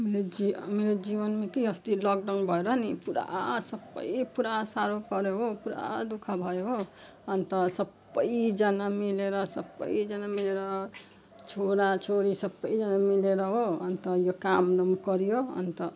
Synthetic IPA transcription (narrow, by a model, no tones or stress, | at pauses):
ɦʌmileiɦa̰miled͡zibʌnmakiʌst̪ilʌk̚ɖʌnbʱʌeɾʌnipuɾa̰sʌbːʌ̰jpuɾasaɾopʌɾeɦopuɾa̰d̪ukʰabʱʌjeɦo | ʌnt̪ʌsʌbːʌjd͡zʌnamileɾʌsʌbːʌ̰jd͡zʌnamileɾʌ | t͡ʃʰoɾat͡ʃʰoɾisʌbːʌjd͡zʌnamileɾʌɦoʌnt̪ʌjokamnʌmkʌɾijoʌ̰nt̪ʌ